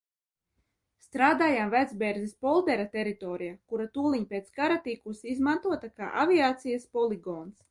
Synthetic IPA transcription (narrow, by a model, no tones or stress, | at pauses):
st̪ɾaːd̪aːjamvæd̪zbɛːɾzispɔlˠd̪ɛɾat̪ɛɾit̪ɔːɾijakuɾat̪uːlˠiɲpʲet̪skaɾat̪ikusiizmant̪uɔt̪aka̰ːʔavʲiaːt̪sijaspɔlˠiɡɔːns